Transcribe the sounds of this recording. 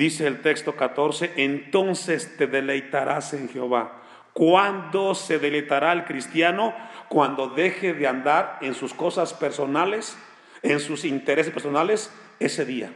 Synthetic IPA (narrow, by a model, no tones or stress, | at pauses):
d̪iseːlt̪e̞kst̪o̞kat̪o̞ɾse̞ʔent̪onsest̪e̞ðe̞le̞jt̪aɾʔaseŋxeo̞βa | kwand̪ose̞ðe̞lejt̪aɾaelkɾist̪jano̞kwand̪o̞ðe̞xeðeand̪aɾensusko̞saspeɾsonales | ensusint̪eɾesespeɾs̬onales | ese̞ðia̰